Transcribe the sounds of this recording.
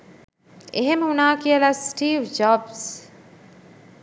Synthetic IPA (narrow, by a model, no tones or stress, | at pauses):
eɦeməɦunaːkiəlasʈiːʋd͡ʒɔːbs